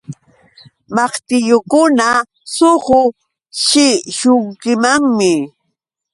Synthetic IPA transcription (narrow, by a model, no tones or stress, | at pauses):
mɑχt̪ɪjʊkʊna | sohʊ | ʃɪʃʊŋkɪmaŋmɪ